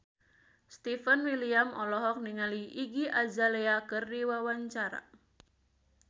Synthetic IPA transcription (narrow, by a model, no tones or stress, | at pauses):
st̪ifənwiliamɔlɔɦɔk̚niŋaliʔiɡiʔazaleakərdiwawaɲt͡ʃaɾa̰